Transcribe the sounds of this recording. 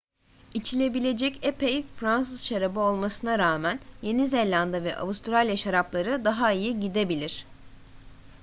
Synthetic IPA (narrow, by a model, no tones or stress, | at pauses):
it͡ʃʰilʲe̞bilʲe̞d͡ʒɛcepejfɾans̬ɯzʃaɾabɯo̞lˠmasɯnaɾaːmænje̞nizelʲand̪avɛ̰ʔa̰vust̪ɾalʲjaʃaɾaplˠaɾɯd̪aɦaijiɟid̪e̞bilʲiɾ̝̥